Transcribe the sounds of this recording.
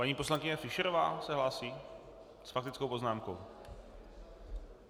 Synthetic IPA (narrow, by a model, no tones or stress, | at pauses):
paɲiːpo̞slaŋkɪɲɛfɪʃɛɾova̰ːsɛɦlaːsiː | sfak̚t̪ɪt͡skowpo̞znaːmko̞w